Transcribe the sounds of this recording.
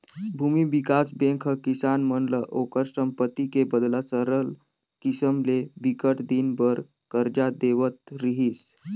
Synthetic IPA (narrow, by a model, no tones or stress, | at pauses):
bʱumibikasbẽŋkʰəkisanməɳləʔokəɾsəmpət̪ikebəd̪lasəɾəl | kisəmleʋikəʈd̪inbəɾ | kəɾd͡ʒad̪eʋət̪ɾiɦiːs